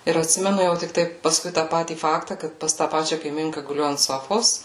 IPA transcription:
ɪr ɐtʲˈsʲɪmʲɛnʊ jɛʊ tʲɪkˈtɐɪ pɐˈskʊɪ tɑː ˈpɑːtʲiː ˈfɑːktɐ ˈkɐt pɐs tɑː ˈpɑːt͡ʃʲɛ kɐɪˈmʲɪŋkɐ ɡʊˈlʲʊ ɐnt ˈsoːfoːs

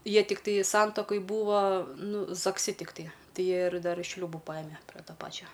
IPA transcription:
ˈjiɛ tʲɪkˈtɐɪ ˈsɐntɐkoːj ˈbuːʋɐ ˈnʊ zɐkˈsʲɪ tʲɪkˈtɐɪ ˈtɐɪ ˈjiɛ ɪr ˈdɐr ˈʃʲlʲuːbʊ ˈpɑːjɪmʲɛ pʲrʲɛ ˈtoː ˈpɑːt͡ʃʲoː

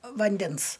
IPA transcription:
ʋɐnʲˈdʲɛns

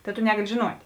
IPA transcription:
ˈtɐ tʊ ˈnʲæːɡɐlʲɪ ʒʲɪˈnuɔtʲ

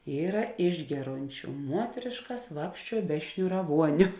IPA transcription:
ˈiːrɐ ˈɪʒʲɡʲɛˌroːnʲt͡ʃʲʊ ˈmuɔtʲrʲeːʃkɐs ˈʋɑːkʃʲt͡ʃʲuɔ bʲɛ ʃʲnʲʊrɐˈʋuɔnʲʊ

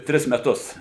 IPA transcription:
ˈtʲrʲɪs mʲɛˈtʊs

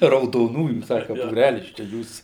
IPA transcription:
rɐʊdoːˈnuːjuː ˈsɑːkɐ buːˈrʲælʲɪs t͡ʃʲɛ ˈjuːs

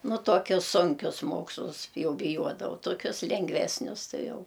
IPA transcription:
ˈnʊ tuɔˈkʲʊs ˈsʊŋʲkʲʊs ˈmoːkslˠʊs ˈjɛʊ bʲɪˈjuɔdɐʋɐʊ toːˈkʲʊs lʲɛŋɡˈʋʲæːsʲnʲʊs ˈtɐɪ ˈjɛʊ

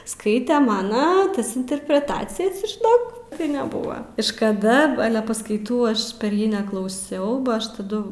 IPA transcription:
ˈskɐɪtʲɛ ˈmɑːnoː ˈtɐs ɪnʲtʲɛrʲpʲrʲɛˈtɑːt͡sʲɪjɛs ʒʲɪˈnoːk tɐɪ nʲɛˈbʊʋɐ ɪʃ kɐˈdɐ ˈɑːlʲɛ pɐskɐɪˈtuː ˈɐʃ pʲɛr ˈjiː nʲɛklˠɐʊˈsʲɛʊ bɐ ˈɐʃ tɐˈdʊ

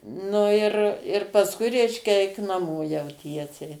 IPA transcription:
ˈnʊ ɪr ɪr pɐsˈkʊɪ ˈrʲɛɪʃʲkʲɛ ˈɛɪk nɐˈmoː jɛʊ ˈtʲiɛsʲɛɪ

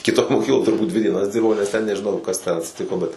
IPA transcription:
kʲɪˈtoːj moːˈkʲiːklˠoːj tʊrˈbuːt dʲʋʲɪ dʲiɛˈnɐs ˈdʲɪrbɐʊ nʲɛs tʲɛn nʲɛʒʲɪˈnɐʊ kɐs tʲɛn ɐtʲsʲɪˈtʲɪkoː bʲɛt

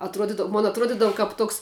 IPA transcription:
ɐtˈruɔdʲɪdɐw moːn ɐtˈruɔdʲɪdɐw kɐp ˈtoːks

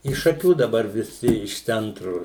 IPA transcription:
ɪʃ ʃɐˈkʲuː dɐˈbɐr ʋʲɪˈsʲɪ ɪʃ ˈt͡sʲɛntrʊ

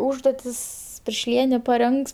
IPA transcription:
ˈuːʒduɔtʲɪs pʲɪrʲʃʲˈlʲiɛnʲeː pɐˈrʲɛŋks

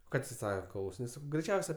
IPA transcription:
ˈkɐ tʲeː ˈsɑːkɐ klˠɐʊsʲɪˈnʲeːs ˈsɑːkɐʊ ɡrʲɛɪˈt͡ʃʲɛʊsʲɛ

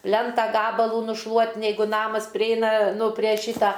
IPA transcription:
ˈpʲlʲɛntɐ ˈɡɑːbɐlˠuː nʊʃˈlˠuɔt nʲɛɪˈɡʊ ˈnɑːmɐs pʲrʲɪˈɛɪnɐ ˈnʊ pʲrʲeː ˈʃʲiːtɐ

